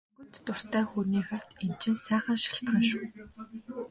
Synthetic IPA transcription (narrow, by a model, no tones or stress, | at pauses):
ɣɵ̆nt̪ːʊr̥t̪ʰæːxuːniːχaw̥t̪en̥t͡ɕɪ̆nsæːχə̆nʃḁɬt̪χaːnʃʊː